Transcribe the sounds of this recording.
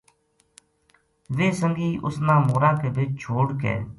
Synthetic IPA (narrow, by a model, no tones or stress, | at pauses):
ʋeːsəŋɡiːʔʊsnãːmoːɾaːkeːʋɪt͡ʃt͡ʃʰoːɽkḛː